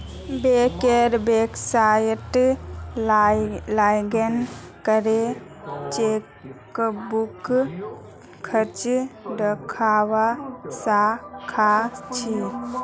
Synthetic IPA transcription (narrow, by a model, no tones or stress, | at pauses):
bekeɾbeksajʈ | lajɡənkəɾe | t͡ʃe | buk | kʰːət͡ʃɖəkʰaːwasakʰat͡ʃʰi